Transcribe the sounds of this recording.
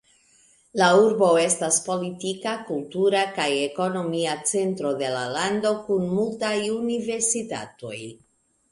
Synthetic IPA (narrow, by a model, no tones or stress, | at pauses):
lauɾbo̞e̞staspo̞litikakultuɾakaje̞ko̞no̞miat͡se̞ntɾo̞de̞lalando̞kunmultajunive̞ɾsita̰to̞̰j